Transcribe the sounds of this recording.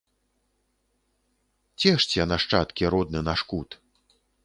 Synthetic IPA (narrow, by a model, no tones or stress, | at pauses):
t͡sʲɛʂt͡sʲɛnɐʂt͡ʂat̪kʲiɾɔd̪̚nɨnɐʂkut̪